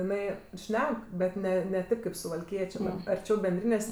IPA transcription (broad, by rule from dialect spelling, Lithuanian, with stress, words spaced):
ɪˈnɐɪ ˈʃʲnʲɛk bʲɛt ˈnʲɛ nʲɛ ˈtʲeːp kɐɪp sʊʋɐlʲˈkʲiɛt͡ʃʲeː ɐrʲˈt͡ʃʲɛʊ bʲɛnʲˈdʲrʲiːnʲeːsʲ